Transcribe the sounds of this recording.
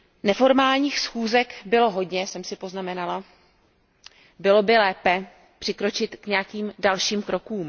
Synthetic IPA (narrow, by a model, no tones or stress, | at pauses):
nɛfo̞ɾmaːlɲiːxsxuːzɛkbɪlo̞ɦo̞dɲɛsɛmsɪpo̞znamɛnala | bɪlo̞bɪlɛːpɛ | pr̥ɪkɾo̞t͡ʃɪt̪kɲɛjakiːmdalʃiːmkɾo̞kuːm